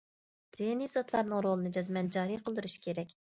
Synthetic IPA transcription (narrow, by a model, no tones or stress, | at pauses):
d̪̥inizɑt̪ʰlˠɑɾnɨŋɾolˠɨnɨd͡ʒɑzmɛnd͡ʒɑːɾijqʰəlˠd̪yɾuʃi̥kʲʰeɾɛkʲ